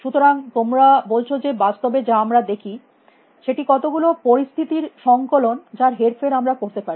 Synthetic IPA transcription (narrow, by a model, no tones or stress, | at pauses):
ʃut̪oɾaŋt̪omɾabolt͡ɕʰod͡ʑebast̪obed͡ʑaamɾad̪ekʰi | ʃeʈikɔt̪oɡulopoɾist̪ʰit̪iɾʃɔŋkolond͡ʑaɾɦeɾfeɾamɾakoɾt̪epaɾi